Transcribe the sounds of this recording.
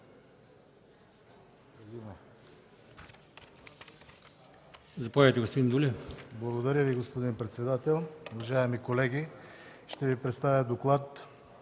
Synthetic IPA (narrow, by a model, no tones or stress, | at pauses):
zimɛ | zɐpovɛt̪ɛɡospod̪ind̪ulʲiblˠɐɣod̪aɾʲəviɡospod̪inpɾɛt̪sɛd̪at̪ɛlˠovaʒaɛmikolɛɡʲiʃt̪ɛvipɾɛt̪st̪avʲjəd̪oklˠat̪